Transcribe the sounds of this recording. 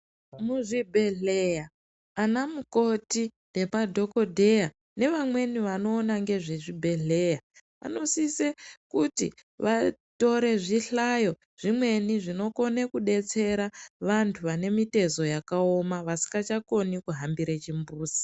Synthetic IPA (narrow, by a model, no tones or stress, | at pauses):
muʐibʱe̞ɮejaː | namuko̞tinde̞padʱo̞ko̞dʱe̞ja | ne̞ʋamwe̞niʋano̞ːnaŋɡe̞ʐeʐibʱe̞ɮe̞ja | ʋa̰no̞sisekutḭʋato̞ɾe̞ʐiɬajo̞ | ʐ̥imwe̞niʐino̞ko̞nekuɗe̞t͡se̞ɾaʋantʰuʋane̞mite̞zo̞jakao̞maʋasi̥ŋɡat͡ʃako̞nikuɦambiɾet͡ʃimbuːsi̥